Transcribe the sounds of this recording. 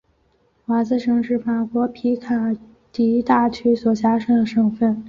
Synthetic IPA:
wa˧˥t͡sɹ̩˥˧ʂɤ˧˥ŋʂɻ̩˥˩fa˨˩kwɔ˧˥pʰi˧˥kʰa˨˩ | t̪i˧˥i˥t̪a˥˩t͡ɕʰy˥swɔ˨˩t͡ɕja˥ʂɤ˥ŋd̪ə˩ʂɤ˨˩ŋfə˥˩n

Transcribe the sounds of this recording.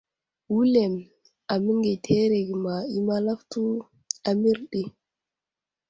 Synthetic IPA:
wu˦le˨m | a˨mi˦ŋɡe˨tʰe˦ɾe˨ɡi˨ma˨i˦ma˦la˦ftu˦ | a˨mi˦ɾɗi˦

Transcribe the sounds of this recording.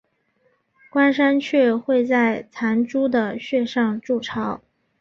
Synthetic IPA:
kwa˥nʂa˥nt͡ɕʰɥɛ˥˧xwe˥˧ɪt͡sa˥˩ɪt͡sʰa˧˥nʈ͡ʂu˥d̪ə˨ɕɥɛ˥˧ʂɑ˥˧ŋʈ͡ʂu˥˩ʈ͡ʂʰɑ˧˥ʊ

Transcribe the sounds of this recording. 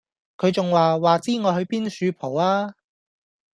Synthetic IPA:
kʰɵ˨˧ɥt͡sʊ˨ŋwaː˨waː˨t͡siː˥ŋɔː˨˧hɵ˧ɥpiː˥nsyː˨˧pʰo˨˩waː˥

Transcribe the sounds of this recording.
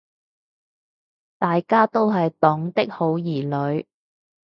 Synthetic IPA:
t̪aː˨jkaː˥t̪o˥wɦɐ˨jt̪ɔː˨˥ŋt̪ɪ˥k̚ho˨˥wjiː˨˩lɵ˨˧ɥ

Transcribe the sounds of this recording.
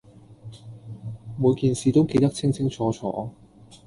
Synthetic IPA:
muː˨˧jkiː˨nsiː˨˧t̪o˥wke˧jt̪ɐ˥k̚t͡sʰɪ˥ŋt͡sʰɪ˥ŋt͡sʰɔː˨˥t͡sʰɔ̰ː˨˧˥

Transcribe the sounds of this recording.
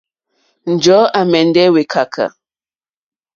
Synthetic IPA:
n̩˨d͡ʒɔ˨˦ʔa˨mɛ˨n̩˦dɛ˦we˨kʰa˨kʰa̰˨

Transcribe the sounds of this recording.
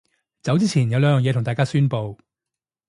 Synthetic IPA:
t͡sɐ˨˥wt͡siː˥t͡sʰiː˨˩njɐ˨˧wlœː˧˥jœː˨˩jɛ˨˧t̪ʰʊ˨˩ŋt̪aː˨jkaː˥syː˥npo˧w

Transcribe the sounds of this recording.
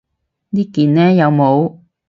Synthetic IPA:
niː˥kiː˨˩nnɛː˥jɐ˨˧wmo˨˧w

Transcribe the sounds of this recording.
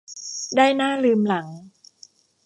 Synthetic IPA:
daː˥˩jnaː˥˩lɯː˧mla˩˦ŋ

